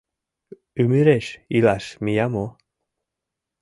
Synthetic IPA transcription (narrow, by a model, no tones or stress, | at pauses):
ʉmiɾeʃilaʃmijamo